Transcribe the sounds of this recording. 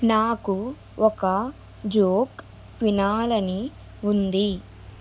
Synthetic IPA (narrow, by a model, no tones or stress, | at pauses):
naːku | ɔkɐ | d͡ʒoːk | ʋinaːlɐni | und̪i